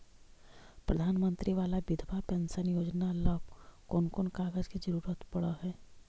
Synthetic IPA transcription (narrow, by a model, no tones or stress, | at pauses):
pɾəd̪ʱaːnmə̃nt̪ɾiʋaːlabɪd̪ʱbapɛ̃nsənjoːd͡ʒnalɔːbkoːnkʊnkaːɡəzkid͡ʒəɾuːɾət̪pɐɽaɦɛː